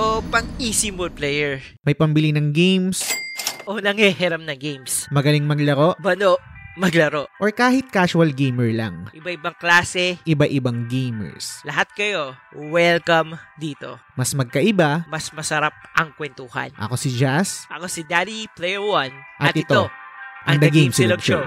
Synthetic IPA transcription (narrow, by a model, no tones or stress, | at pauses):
ʔopɐŋisɪmod̪̚plɛjɛɹ | mɐjpɐmbɪlinɐŋɡejmsʔonɐŋhɛhɛɾɐmnɐɡejmsmɐɡɐlɪŋmɐɡlɐɾo̞ʔbɐnoʔmɐɡlɐɾo̞ʔʔoɹkaːhɪt̪̚kaːʃʊɐlɡejmɛɹla̰ŋʔɪbaʔɪbaŋklaːsɛʔɪbaʔɪbaŋɡejmɛ̰ɹslɐɦat̪̚kɐjo̞wɛlkɐmd̪iːt̪o̞̰mɐsmɐɡ̚kɐʔɪbamɐsmɐsɐɾap̚ʔɐŋkwɛnt̪uːhɐ̰nʔɐ̰ko̞sɪd͡ʒasʔɐkosɪd̪aliplɛjɛɹwanʔɐtt̪ʔɪt̪oʔɐŋd̪ɐɡejmslbʃo